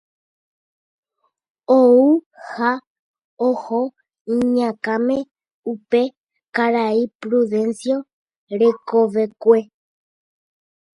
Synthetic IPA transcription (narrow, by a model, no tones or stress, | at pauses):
ou | ha | oho | iɲãkãmẽ̞ | upe̞ | kaɾaipɾuðẽ̞nsjo̞ | ɾekoʋe̞kʷe